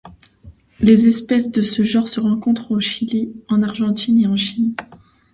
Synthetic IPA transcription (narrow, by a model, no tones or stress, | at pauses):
lezɛspɛsd̪əsəʒɑ̃ʁsəʁɑ̃kɔ̃t̪χoʃiliɑ̃naʁʒɑ̃t̪ʰineɑ̃ʃin